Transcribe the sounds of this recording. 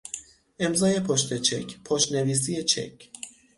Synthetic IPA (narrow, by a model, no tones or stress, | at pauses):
ʔe̞mzɒːje̞pʰoʃt̪ʰe̞t͡ʃʰe̞̰cʰpʰoʃt̪ne̞viːs̬ije̞t͡ʃʰḛcʰ